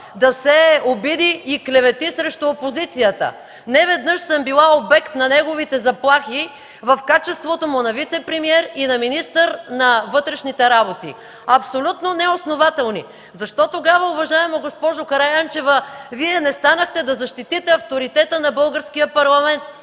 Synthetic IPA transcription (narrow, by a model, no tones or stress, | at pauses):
d̪ɐsɛobid̪iːklʲɛvɛt̪isɾɛʃt̪ʊopozit̪sijət̪ə̰ | nɛvɛd̪nɤʃsəmbilˠaobɛkt̪nɐnɛɡovit̪ɛzɐplˠaxi | vɐfkat͡ʃɛst̪vot̪omʊnɐvit̪sɛpɾɛmiɛɾinɐminist̪əɾnɐvɤt̪ɾɛʃnit̪ɛɾabot̪ḭ | ɐpsolʲut̪nonɛosnovat̪ɛlˠni | zɐʃt̪ɔt̪oɡavəʊvɐʒaɛmoɡospɔʒokɐɾajant͡ʃɛvəviɛnɛst̪anəxt̪ɛd̪ɐzɐʃt̪it̪it̪ɛɐft̪oɾit̪ɛt̪ənɐbɤlˠɡəɾskijəpɐɾlˠɐmɛnt̪̚